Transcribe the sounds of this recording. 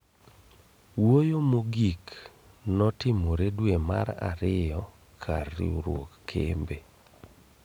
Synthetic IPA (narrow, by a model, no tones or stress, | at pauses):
wojomoɡik | nɔtɪmoɾedwema̰ɾa̰ɾɪjɔ | kʰa̰rːḭuɾwo̰kːʰḛmbe